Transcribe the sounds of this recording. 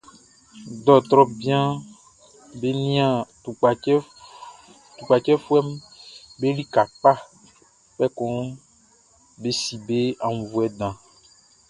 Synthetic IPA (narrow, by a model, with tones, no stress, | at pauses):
d̪ɔ˨t̪ɾɔ˦bi˦ã˦ | be˦nĩ˦ã˨˦ | t̪u˨k͡pa˨t͡ʃɛ˦fu˦ɛ˦m˦ | be˦li˦ka˨k͡pa˦ | k͡pɛ˦kɔ̃˦ | be˦si˨be˦a˨ŋũ˨vu˨ɛ˨d̪ã˨